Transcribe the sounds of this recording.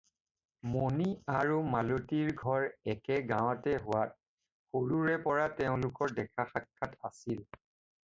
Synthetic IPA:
moniaɹumalotiɹɡʱɔɹɛkɛɡãw̃atɛɦʊwat̚ | xoɹuɹɛpɔɹatɛʊ̃lʊkɔɹdɛkʰaxakʰːatasil

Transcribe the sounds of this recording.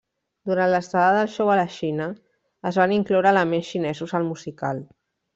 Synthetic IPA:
d̪uɾant̪ləst̪aləðəlˠʃɔwələʃinəː | zβaniŋklɔwɾəːləmensʃinɛzuzəlˠmuzikal

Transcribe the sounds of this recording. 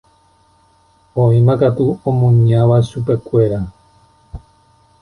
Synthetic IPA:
õĩmakat̪uõmũɲãʋaʃupe̞kʷe̞ɾa

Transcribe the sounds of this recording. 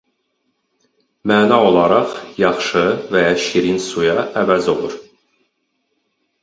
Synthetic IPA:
mæːnɑo̞lˠɑɾɑχjɑχʃɯvæjɑʃiɾinsujɑʔævæzo̞lˠuɾ

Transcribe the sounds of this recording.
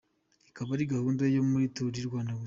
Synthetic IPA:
ikaβaɾiɡahuːndajomuɾitoɾiɾɡwaːndawe

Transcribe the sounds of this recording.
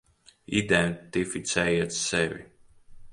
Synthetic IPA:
id̪ɛnt̪ifit̪sɛjat̪sɛvḭ

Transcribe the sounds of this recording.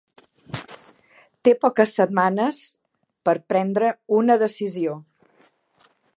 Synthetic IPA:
t̪epɔkəsːəd̪̚manəs | pəɾpɾɛnd̪ɾəunəðəsizio

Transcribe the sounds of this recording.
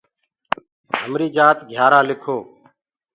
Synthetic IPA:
ɦəmɾiːd͡ʒaːt̪ɡʱjaːɾaːlɪkʰoː

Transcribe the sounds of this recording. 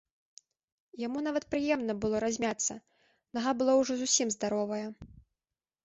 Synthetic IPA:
jamunavɐt̪̚pɾɨjɛmnɐbɨlˠɔɾazʲmʲat̪sːɐ | naɣabɨlˠɔwʐɔzusʲimzd̪aɾɔvɐjɐ

